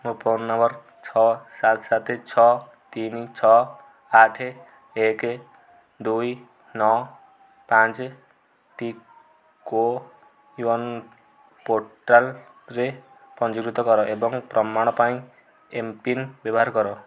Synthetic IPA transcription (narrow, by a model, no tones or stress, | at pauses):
mopɔnːʌmbʌɾ | t͡sʰɔsat̪ʰsat̪ʰet͡sʰɔ | t̪int͡sʰɔ | aʈʰe | ek | d̪uj | nɔ | pãt͡s | ʈi | ko | uwɔn | poʈal | re | pʌnd͡ʒuɾit̪ɔɡʌɾɔʔebɔŋprʌmaɽ̃ɔpaĩ | empinbjʌbɔɦaɾɡʌɾɔ